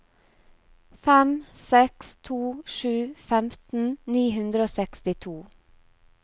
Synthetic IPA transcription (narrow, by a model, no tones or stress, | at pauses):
fɛmsɛkst̪ʰuːʃʉːfɛmt̪n̩niːhʉnd̪ɾəoːsɛkst̪ɪt̪ʰuː